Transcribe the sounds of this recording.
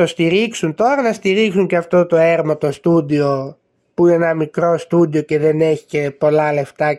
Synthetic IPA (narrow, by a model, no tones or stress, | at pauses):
ost̪iɾiksunt̪o̞ɾɐnɐst̪iɾiksuɲceɐft̪o̞t̪o̞eɾmot̪o̞st̪ud̪io̞ | puinenɐmikɾo̞st̪ud̪io̞ce̞ðe̞neçi̥ce̞po̞lɐle̞ft̪ɐ